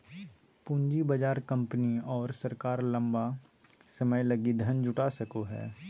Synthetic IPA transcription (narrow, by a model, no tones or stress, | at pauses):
pʊ̃ɲd͡ʒibɐd͡ʒaːɾkɐ̃mpniɔːɾsɐɾkaːɾlɐ̃mba | sɐməjlɐɡid̪ʱɐnd͡ʒʊʈaːsɐkoɦɛ̰ː